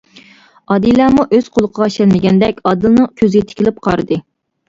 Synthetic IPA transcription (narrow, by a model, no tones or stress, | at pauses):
ɑd̪ilˠɑːmuʔøz̥qʰolˠəqʰəʁɑʃɛnmɪɡʲɛnd̪ɛkʲɑd̪ɨlˠnɨŋkʲʰøzɪɡʲɛt̪ʰɪ̥kʲʰilɪp̚qʰɑɾɨd̪ɨ